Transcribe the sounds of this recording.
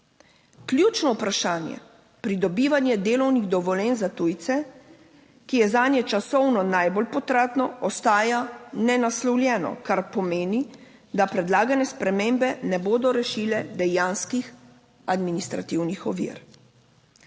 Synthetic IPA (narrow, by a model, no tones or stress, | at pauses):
klʲjuːt͡ʃnɔwpɾaʃaːnjɛ̰ | pɾid̪ɔbiːʋanjɛd̪eːlɔwniɣd̪ɔʋɔlɛnzat̪ujt̪sɛ | kijɛzaːnjɛt͡ʃasɔwnɔnajbɔlpɔt̪ɾat̪nɔɔst̪aːjanɛnaslɔwlʲjɛːnɔ̰kaɾpɔmeːni | d̪apɾɛd̪laːɡanɛspɾɛmeːmbɛnɛboːd̪ɔɾɛʃiːlɛd̪ɛjaːnskix | ad̪minist̪ɾat̪iwnixɔʋḭɾ